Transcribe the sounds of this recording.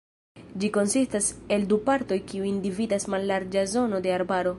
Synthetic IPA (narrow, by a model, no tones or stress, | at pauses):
d͡ʒiko̞nsistase̞ldupaɾto̞jkiuindividasmalːaɾd͡ʒazo̞no̞de̞aɾbaɾo̞